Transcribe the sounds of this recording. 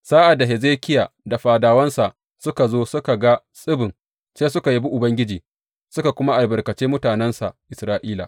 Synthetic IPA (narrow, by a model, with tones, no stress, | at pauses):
saː˦ʔa˨da˨ɦe˨zeː˦kʲɪ˦jaː˨da˨ɸaː˨daː˨wɐ˦nsa˨ʔ | sʊ˦ka˨zoː˦sʊ˦ka˨ɡa˦ | sʼɪ˦bɪ˨ŋ | seː˦s̬ʊ˦ka˨ji˦bu˦ʔʊ˨bɐ˦ŋɡʲɪ˦d͡ʒiː˨ | sʊ˦ka˨kʷʊ˦ma˦ʔa˨bɐ˨rkɐ˨t͡ʃeː˦mʊ˦taː˨nɛ˦nsa˨ʔɪ˨sɾaː˦ʔiː˦la̰˨